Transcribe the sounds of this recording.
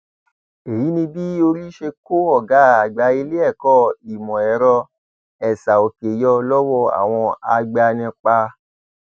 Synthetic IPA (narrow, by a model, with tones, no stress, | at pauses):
e˨ji˨˦nĩ˧bi˦o˧ɾi˦ʃe˧ko˦ɔ˦˨ɡa˨˦a˨ɡ͡ba˨˦i˧le˦ɛ˦˨kɔ˦˨i˨mɔ̃˨ɛ˨˦ɾɔ˧ | ɛ˨sa˨o˨ke˨jɔ˧lɔ˦wɔ˦˨a̰˨w̃ɔ̃˧a˧ɡ͡ba˧nĩ˧k͡pa˧